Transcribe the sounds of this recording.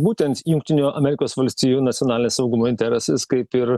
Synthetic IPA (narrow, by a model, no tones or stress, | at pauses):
buːt̪ʲɛnt̪jʊŋkt̪ʲɪnʲuːɐmʲɛɾʲɪkoːsʋɐlʲsʲt̪ʲiːjuːnɐt̪sʲjonɑːlʲɪnʲeːsɐʊɡʊmoːɪnʲt̪ʲɛɾʲɛsɐskɐɪpɪɾ